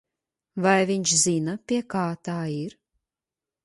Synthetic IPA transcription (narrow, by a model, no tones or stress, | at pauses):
vajviɲʲt͡ʃzinɐpʲiɛkaːt̪aːiɾ